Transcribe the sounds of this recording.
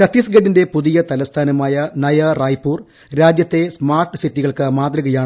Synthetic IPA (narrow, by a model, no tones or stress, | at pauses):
tɐt̪ːiːsɡɐɖinde̞puðijɐt̪ɐlɐst̪ʰaːnɐmaːjɐnɐjɐraːjpːuːr | ɾaːd͡ʑjɐt̪ːe̞smaːrʈɨsitːiɣɐɭkɨmaːt̪rɨɣɐjaːɳɨ